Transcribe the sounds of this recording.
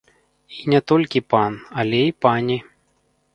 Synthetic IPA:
inʲɛt̪ɔlʲkʲipanɐlʲɛipanʲi

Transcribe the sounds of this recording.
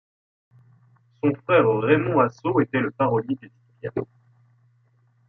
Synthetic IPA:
sɔ̃fχɛʁʁemɔ̃asoet̪ɛləpaʁɔljed̪ezi̥t̪ʁjã̰

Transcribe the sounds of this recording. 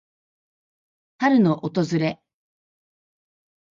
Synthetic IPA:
haɾɯ̟no̞ʔot̪o̞zɨɾe̞

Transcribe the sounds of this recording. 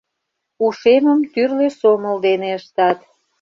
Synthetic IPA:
uʃeməmt̪yrlesoməld̪eneəʃt̪ɑt̪

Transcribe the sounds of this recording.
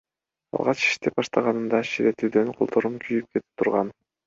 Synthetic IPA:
ɑ̰lˠʁɑt͡ʃi̥ʃt̪ep̚bɑʃt̪ɑʁɑnɯnd̪ɑʃiɾet̪yd̪ønqʰolˠt̪ʰoɾumkʰyjyp̚kʰe̞t̪ʰi̥p̚t̪ʰuɾʁɑn

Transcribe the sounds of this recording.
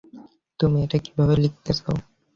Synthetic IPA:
t̪umieʈaki̥bʱabelik̚ʰt̪at͡ɕʰao

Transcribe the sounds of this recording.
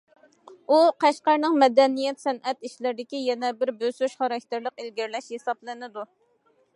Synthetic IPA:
uqʰæʃqæɾnɨŋmɛd̪ɛnijɛt̪sɛnɛt̪iʃlɪɾɪd̪ɪkʲijɛnɛbɪɾbøsyʃχɑɾɑkʲt̪ʰɪɾlˠəqelɡʲɪɾlɛʃhesɑplˠɨnɪd̪u

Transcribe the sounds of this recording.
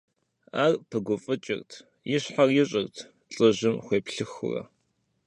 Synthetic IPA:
aːrpʰɨɡʷʊfʼɨt͡ʃʼɪ̰rtʰ | jɪɕħarjɪɕʼɪrtʰ | t͡sʼɨʑɪmχʷeːpɬɨxʊ̰rɐ̰

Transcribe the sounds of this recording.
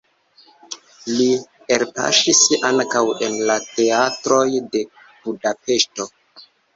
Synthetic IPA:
li | eɾpa̰ʃisaŋkawe̞nlate̞atɾo̞jde̞ | budape̞sto̞

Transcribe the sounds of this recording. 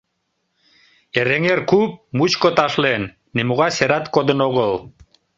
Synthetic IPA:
eɾeŋerkup̚mut͡ɕkot̪ɑʃlenː | emuɣɑseɾɑt̪kod̪ənoɣəl

